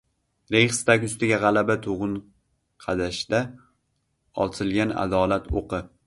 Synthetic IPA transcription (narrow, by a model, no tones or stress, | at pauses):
ɾeχst̪akʲʊst̪ɪɡʲaʁɑlˠabat̪ʰoʁɨn | qʰɑd̪aʃd̪̥a | ɒ̰lˠt̪ʰɪlɡʲana̰d̪ɒlat̪ʰoqʰɨ